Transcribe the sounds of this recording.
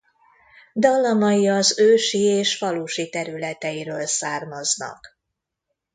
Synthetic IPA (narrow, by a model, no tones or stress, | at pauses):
d̪ɒlːɒmɒjiɒzøːʃieːʃfɒluʃit̪ɛɾylɛt̪ɛjiɾøːlsaːrmɒznɒ̰k